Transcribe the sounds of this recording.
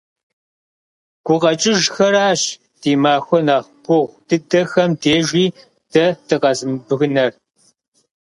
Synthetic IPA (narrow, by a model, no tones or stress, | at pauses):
ɡ̥ʷʊqɐt͡ʃʼɪʒxɐɾaːɕ | d̥iːmaːxʷɔnaːχɡ̥ʷʊʁʷd̥ɨdɐxɐmdeːʒʷiː | d̥ɐd̥ɨqɐzɨmbɨɣɨnɐr